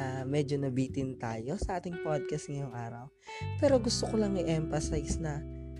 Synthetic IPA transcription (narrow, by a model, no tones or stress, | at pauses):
amɛd͡ʒonɐbiːt̪ɪnt̪aːjo̞sɐʔaːt̪ɪŋpod̪̚kɐst̪̚ŋɐjoŋʔaːɾɐ̰w | pɛːɾo̞ɡʊst̪okolɐŋɪʔɛmfɐsajsnɐ